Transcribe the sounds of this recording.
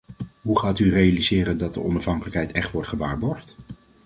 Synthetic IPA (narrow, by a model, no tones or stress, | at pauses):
ɦuχaːtyrejalizɪːrəndɑt̚də̰ʔɔnɑfɦɑŋkələkɦɛjtɛχtʋɔɹtχəʋaːɹbɔɹχt